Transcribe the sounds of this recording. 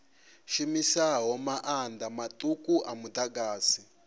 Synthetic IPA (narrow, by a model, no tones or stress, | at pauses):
ʃimisaɦɔmaʔand̪amatʼukuʔamud̪aɡaːsi